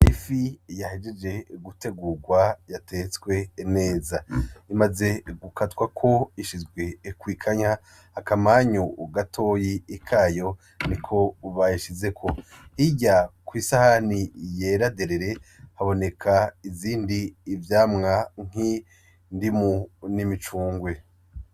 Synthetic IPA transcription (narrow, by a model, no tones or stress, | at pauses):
ifijahed͡ʒe̞d͡ʒe̞ɡute̞ɡuɡwajatʰet͡swe̞ne̞ːzaimaze̞ɡukatwakʰo̞iʃizɡwe̞kwiːkʰaɲa | hːkamaɲoɡatʰo̞ːjiikʰaːjo̞ | nikʰo̞βajiʃize̞kʰo̞hiɟakwisahanije̞ɾade̞ɾeɾe̞haβo̞ne̞kʰaiziːndiːvjaːmŋaŋ̥i | ndimunimit͡ʃuːŋɡwe̞